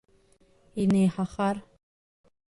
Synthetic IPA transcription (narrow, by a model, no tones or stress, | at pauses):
inejħaχar